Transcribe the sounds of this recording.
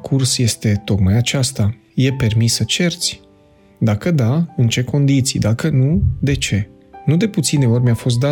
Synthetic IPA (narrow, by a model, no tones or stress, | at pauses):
kʰursje̞st̪e̞t̪o̞kmajat͡ʃast̪a | je̞pe̞rmisːət͡ʃe̞rt̪sʲ | d̪akəd̪aɨnt͡ʃe̞ko̞nd̪it̪sḭjd̪akənud̪e̞t͡ʃe̞ | nud̪e̞put̪sine̞o̞rʲmʲafo̞s̬t̪d̪a